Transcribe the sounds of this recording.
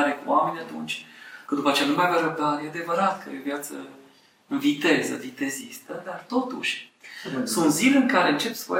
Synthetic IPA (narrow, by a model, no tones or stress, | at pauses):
ɾekṵwame̞nʲat̪unt͡ʃʲkɨənd̪upət͡ʃeanumaavaɾəb̚d̪aɾjead̪e̞vəɾat̪kʰə̰jovjat̪sə̰ | ɨnvit̪e̞zə̰vit̪e̞zist̪əd̪art̪o̞t̪ṵʃʲ | sunt̪zilʲɨŋkaɾe̞ɨnt͡ʃe̞psvo̰